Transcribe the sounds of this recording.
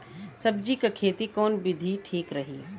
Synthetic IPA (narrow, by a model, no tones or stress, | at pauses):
sɐb̚d͡ʒikakʰeːt̪ikɔːnbɪd̪ʱiʈʰiːkɾɐɦiː